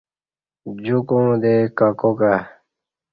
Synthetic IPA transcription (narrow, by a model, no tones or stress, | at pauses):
d͡ʑukũːd̪ekakoka